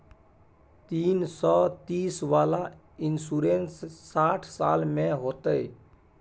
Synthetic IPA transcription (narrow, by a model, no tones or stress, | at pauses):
t̪iːnsɔːt̪iːsʋaːla | ɪnsuːɾeːnsːaːʈʰsaːlmẽɦoːt̪əe